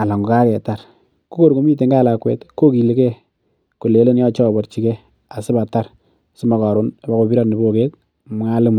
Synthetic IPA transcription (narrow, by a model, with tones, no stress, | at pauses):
a˨la˨ŋɡo˨ka˦kɛ˨ta˨ɾ | ku˦ko˦ɾko˨˦mi˦t̬e˨ŋɡa˦la˨kwɛ̰˦tko˦ki˨li˨˦kɛ˦ | ku˨le˨˦le˦n˦jɔ˦t͡ʃɔ˦˨bɔ˨ɾt͡ʃi˦kɛ˦ | a˨sɪ˦ba˨ta˦ɾ | sɪ˦ma˨ka˨ɾo˦na˨ba˨˦ko˨bi˦ɾa˦ni˨bo˦ke˦t | m˦ŋa˦lɪ˦mu˨